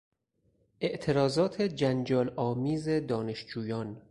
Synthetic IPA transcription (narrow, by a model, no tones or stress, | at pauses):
ʔe̞ʔt̪ʰe̞ɾɒːzɒːt̪ʰed͡ʒænd͡ʒɒːlɒːmiːze̞d̪ɒːne̞ʃd͡ʒuːjɒːn